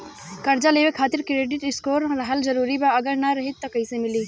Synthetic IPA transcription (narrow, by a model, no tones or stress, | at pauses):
kəɾd͡ʒaleːʋekʰːaːt̪ɪɾkɾeːɖɪʈɪskoːɾɾəɦəld͡ʒəɾuːɾibaɐɡəɾnaɾɐɦɪt̪ːɔkəɪsemɪliː